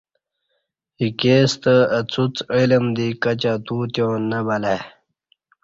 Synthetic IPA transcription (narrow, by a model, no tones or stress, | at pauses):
ikeːst̪əət͡sʰut͡siləmd̪ikɐt͡ɕat̪ut̪jõːnəbɐle